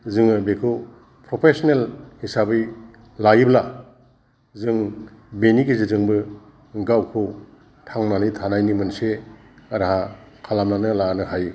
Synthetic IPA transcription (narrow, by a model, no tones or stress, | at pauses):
zɯŋɯbekʰɯw | pɾopʰesɔnelhisabɯj | lajibla | zɯŋbenikizizɯŋbɯ | ɡawkʰɯw | tʰaŋnanɯjtʰanajnimɯnse | aɾahakʰalamnanɯlanɯhaj